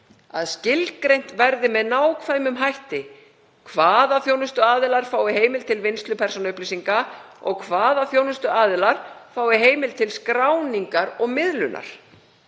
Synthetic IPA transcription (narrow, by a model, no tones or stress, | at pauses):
a̰ðscɪlkɾejn̥t̪vɛɾðɪmɛðnaːwkʰvajmʏmɦajht̪ɪ | kʰvaːðaθjownʏst̪ʏaːðɪlaɾ̥faːwðɪɦeːjmɪlt̪ʰɪlvɪnst̪lʏpʰɛrsɔnʏhplisiŋka | ɔ̰ɣkʰvaːðaθjownʏst̪ʏaːðɪlaɾ̥faːwðɪɦeːjmɪlt̪ʰɪlskɾawniŋkaɾɔɣmɪðlʏ̰nʔa̰ɾ̥